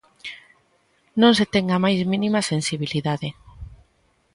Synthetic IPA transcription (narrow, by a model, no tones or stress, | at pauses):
nõŋs̬et̪eŋamajzmĩnĩmasensiβ̞iliðaðe